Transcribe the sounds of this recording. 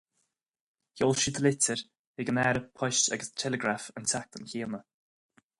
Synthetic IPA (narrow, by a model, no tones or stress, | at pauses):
çolʃid̪əlɪtəɹ | hɪɡənɛɾəpʰɔʃa̰ɡəstʰɛləɡɾafəntʰak̚t̪ənçiːnə